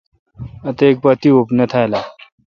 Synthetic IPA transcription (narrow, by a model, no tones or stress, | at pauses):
at̪əek̚pət̪iːʋopnət̪ʰajla